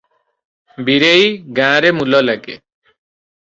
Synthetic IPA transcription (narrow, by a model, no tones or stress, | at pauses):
biɾejɡãːɾemulɔlaɡe